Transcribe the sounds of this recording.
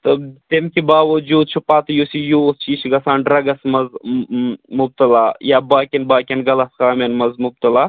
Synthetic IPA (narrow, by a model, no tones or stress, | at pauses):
t̪ɐt̪emkibaːʋɐd͡ʒuːd̪̚t͡ʃʰupaːt̪jusijuːst͡ʃiːʃɡɐsaːnɖɾɐɡɐsmɐz | mʊb̚t̪ɐlaːjaːbaːkʲenbaːkʲenɡɐlɐskaːmenmɐzmʊb̚t̪ɐlaː